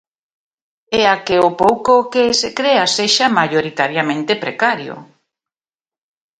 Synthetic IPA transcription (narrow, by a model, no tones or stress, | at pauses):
eakeopowkokesekɾeaseʃamaʎoɾit̪aɾjamẽnt̪epɾekaɾjo̰